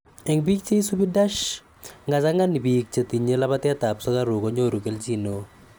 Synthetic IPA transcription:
ɛ˨ŋbi˦kt͡ʃe˦i˦su˦bi˦da˦ʃ | ŋɡa˨sa˦ŋa˦ni˨bi˨k̚t͡ʃe˨t̪i˨ɲe˦la˦ba˦t̪ɪ˦ɛ˦t̪a˨psɔ˦ka˦ɾʊ˨ko˨˦ɲo˦˨ɾu˨ke˦lt͡ʃi˦no˨

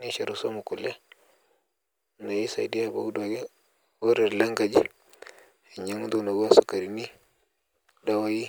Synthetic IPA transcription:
ni˦ʃa˨ɾu˦so˦mu˨ku˨le˦˨ | na˨ji˦sa̰˨i˨di˦a˨bo̰˦ɡu˦da˨ɡe˦ | wo˦ɾe˨ɾla˦ŋɡa˨d͡ʒi˦˨ | ɲa˦ŋu˦du˦no˨ɡo˦n˦su˨ka˨ɾi˨ni˦ | da˦wa˦ji˦

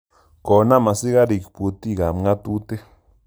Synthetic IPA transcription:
ko˨na˦ma˨si˦ɣa˦ɾi˨kpu˨t̪i˦˨ɣa˨m˦ŋɡa˦t̪u˦t̪e˦

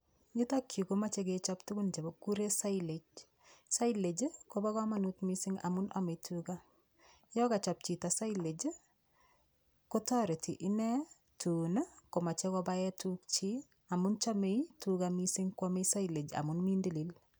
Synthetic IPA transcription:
ɲi˦ta˦kʰːi˨koma˦t͡ʃeɡet͡ʃɔptu˦ɡu˦nt͡ʃe˨bo˦ku˦ɾe˦sa˦iled͡ʒ | sa˦ile˨d͡ʒkoba˦kɔ˦ma˦nu˦tmisɪ˦ŋa̰˨mʊ˦nʔɔ̰me˨tʰuɡa˦ | jɔ˦ka˨t͡ʃɔ˨p̚t͡ʃi˨ta˨sa˦ile˨d͡ʒ | ko˦tɔ˦ɾe˨tʰi˨ʔɪ˦nɛ˦ | tʰu˨na˦ko˨ma˨t͡ʃe˦kɔba˦ɛ˦tuk̚t͡ʃi˦ | a˨mʊ˦nt͡ʃa˦me˦jtukamisɪ˦ŋkwɔme˦sa˦ile˨d͡ʒa̰˨mʊ˦nmi˦ndi˦li˦l

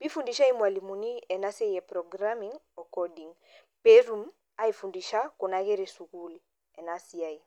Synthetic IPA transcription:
pi˦fu˨ndi˦ʃa˦i˦mwa˨li˨mu˨ni˦ɛ˨na˦sɛ˦jɛ˨pɾɔɡɾamiŋ | ɔ˨kɔdi˨ŋ | pɛ˦ɾu˨m̩ | a˦i˨fu˨ndi˨ʃa˦kɔ˨naɣe˦ɾisu˨ku˦li | ɛ˨nasi˨ai

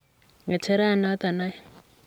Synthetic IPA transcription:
ŋa˨t͡ʃʰe˦ɾa˦˨na˦t̪a˨na˦j

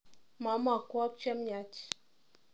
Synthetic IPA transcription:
ma˨˦ma˨kʷɔ˦p̚t͡ʃa˦mja˨˦t͡ʃi̥˨

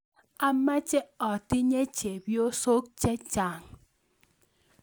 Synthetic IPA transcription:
a˦ma˦t͡ʃɛ˦ɔ˨tɪ˦ɲe˦t͡ʃe˨bjo˦so˦k̚t͡ʃɛ˦t͡ʃa˨ŋ

